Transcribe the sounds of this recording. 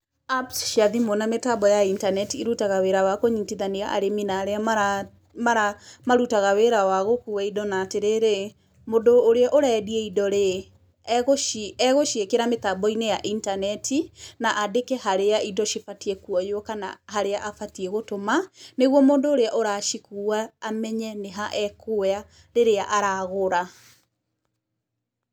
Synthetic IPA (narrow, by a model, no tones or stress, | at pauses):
apsʃiaðimonametabɔjaintanɛtiiɾutaɣaweɾawakoɲitiðaniɣa̰ʔa̰ɾeminaɾeamaɾa | maɾamaɾutaɣaweɾawaɣokuwɛidɔnaːteɾeɾe | moːndoːɾeaʔoɾaɛdiɛidɔɾe | ɣoʃiɛɣoʃiekeɾametabɔinejaʔintanɛtʰinaʔadekɛhaɾeaidɔʃifatiɛkuɔjoɔkana̰ɦaɾeaʔafatiɛɣotomaneɣwɔmoːndoːɾeaʔoɾaːʃikuwaːmɛɲɛneɦaʔɛkoa | ɾeɾeaʔaɾaɣoɾa